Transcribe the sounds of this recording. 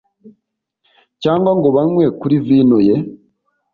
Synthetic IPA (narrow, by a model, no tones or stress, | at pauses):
caːŋɡwaŋɡo̞βanwekuɾiviːnoje